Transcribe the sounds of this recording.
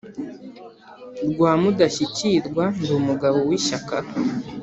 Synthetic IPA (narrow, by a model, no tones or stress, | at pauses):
ɾɡwaːmudaçiciɾɡwandumuɡaβowiʃaka